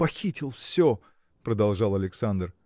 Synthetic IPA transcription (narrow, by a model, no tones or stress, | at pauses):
pɐxʲitʲɪlˠfsʲo | pɾəd̪ɐlˠʐɑlˠɐlʲɪksand̪r